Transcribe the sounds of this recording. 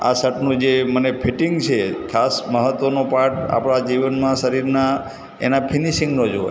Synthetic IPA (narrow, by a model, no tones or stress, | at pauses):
a̰səʈnũd͡ʒemənepʰiʈiŋɡt͡ʃʰekʰasməɦət̪ʋənopaɾʈa̰pɽ̃ad͡ʒiʋənmãsəɾiɾna | ḛnapʰiniʃiŋɡnõd͡ʒɦo̰